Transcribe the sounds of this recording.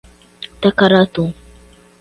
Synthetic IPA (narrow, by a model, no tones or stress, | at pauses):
t̪akaɾat̪u